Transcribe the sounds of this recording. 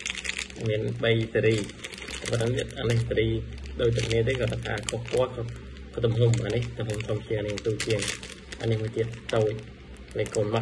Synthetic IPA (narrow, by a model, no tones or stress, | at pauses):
miənɓəjseɾiːt̪apətait̪ʔa̰ːnihseɾiːɗoːc̚t̪ukʰniət̪eːkɔːt̪ʰaka̰ːkʰohkŏəlkʰ | kʰːt̪umɦumʔa̰ːniht̪umhumt̪ʰompʰjiəŋaːnihsuːt͡ɕiəŋ | ʔa̰ːnihmuət̪iət̪̚t̪oːc̚ | ləːkoːnma